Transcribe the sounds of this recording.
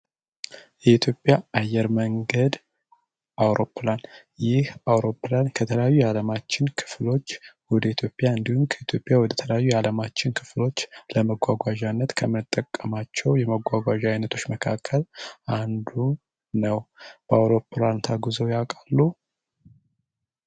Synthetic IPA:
jɛit̪ʰjo̞pʼːjaajːɛɾməŋɡəd̪ | ʔawɾo̞pːlan | jɪhawɾo̞pːlankʰət̪ʰələjajːujɛaləmat͡ʃːɪnkʰɨ̥flo̞t͡ʃːwɔd̪əit̪ʰjo̞pʼjaɨnd̪ihumkʰəit̪ʰjo̞pʼjawɔd̪ət̪ʰələjajːujɛaləmat͡ʃːɪnkʰɨ̥flo̞t͡ʃːləməɡʷaɡʷaʒanːət̪kʰəmːɨnɨt̪ʼːəkʼːəmat͡ʃːɛwjɛməɡʷaɡʷaʒajnət̪ʰo̞t͡ʃːməkʰakʰːəland̪u | nəwb̥əawɾo̞pʰlant̪ʰaɡuzowjakʼalːu

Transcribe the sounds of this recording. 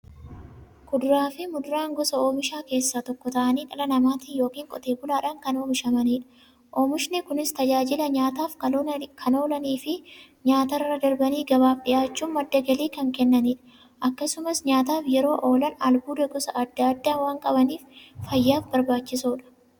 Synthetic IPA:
kʊd̪ʊɾaːfɪmʊd̪ʊɾaːŋɡɔsɐoːmɪʃaːke̞ːsːaːt̪ɔkːɔt̪ɐʔɐniːᶑɐlɐnɐmaːt̪ɪːjo̞ːkiːŋkʼɔ̰t̪e̞ːbʊlaːᶑɐŋkɐno̞ːmɪʃɐmɐniːᶑɐ̥ | ʔoːmɪʃnɪkʊnɪst̪ɐd͡ʒaːd͡ʒɪlɐɲaːt̪aːfkɐkʰɐno̞ːlɐniːfɪ | ɲaːt̪ɐrːɐd̪ɐɾbɐniːɡɐbaːfɗɪʔaːt͡ʃːuːnmɐd̪ːɐɡɐliːkɐŋkɛnːɐniːᶑɐ̥ | ʔɐkːɐsʊmɐsɲaːt̪aːfjɛɾo̞ːʔo̞ːlɐnɐlɡuːd̪ɐɡɔsɐʔɐd̪ːɐːd̪ːaːnwaːŋkʼɐbɐniːffɐjːaːfbɐɾbaːt͡ʃːɪsoːᶑɐ̥

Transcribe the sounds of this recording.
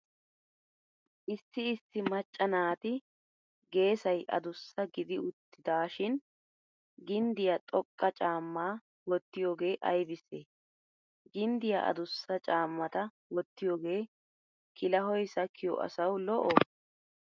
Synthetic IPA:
ʔɪsːɪːsːɪmɐt͡ʃʼːɐnaːt̪ɪ | ɡe̞ːsɐjʔɐ̰d̪ʊsːɐɡɪd̪ɪʊt̪ːɪd̪aːʃɪn | ɡɪnd̪ɪjat̪ʼɔkʼːɐt͡ʃʼaːmːaː | wɔt̪ːɪjoːɡe̞ːʔɐjbɪseː | ɡɪnd̪ɪja̰ʔɐ̰d̪ʊsːɐt͡ʃʼaːmːɐt̪ɐ | wɔt̪ːɪjoːɡe̞ː | kʰɪlɐɦɔjsɐkʰːɪjɔ̰ʔɐ̰sɐwlɔʔɔ

